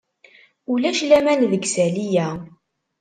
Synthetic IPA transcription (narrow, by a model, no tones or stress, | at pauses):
ulæʃlæmænðəɡsælijæ